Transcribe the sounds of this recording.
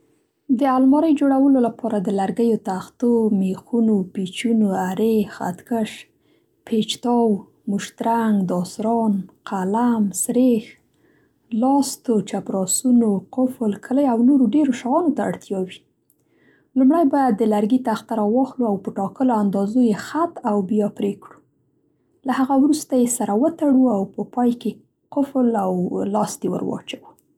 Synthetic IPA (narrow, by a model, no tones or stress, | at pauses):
d̪əalmɑɾəjd͡ʒoɽawəlolapɑɾad̪əlaɾɡəjot̪axt̪omexunopet͡ʃunoaɾexa̰t̪kəʃ | pʰet͡ʃt̪ɑw | mʊʃt̪ɾaŋɡd̪ɑsɾɑnqʰalamsɾex | lɑst̪ot͡ʃapɾɑsunoqʊflkʰələjawnoɾoɖeɾoʃaɣɑnot̪a̰ːɽt̪jɑwi | lumɽajbɑjad̪ːəlaɾɡit̪aaxt̪aɾawɑxluawpəʈɑkəloand̪ɑzojexat̪awbjapɾekɽu | laɦaɣawɾust̪ajesaɾawət̪aɽuawpəpɑjke | qʊflawlɑst̪ewə̰ɾwɑ̰t͡ʃawa